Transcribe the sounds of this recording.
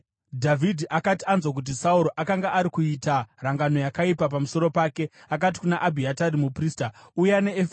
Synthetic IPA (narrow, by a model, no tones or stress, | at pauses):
dʱavidʱiʔakatianzwok̬ut̬isauɾo̞ʔakaŋɡaʔaɾikuitaraŋɡano̞jakaipap̬amuso̞ɾo̞paːke̞ | akat̬i̥kunaʔabʱiataɾimupriːstaujane̞efe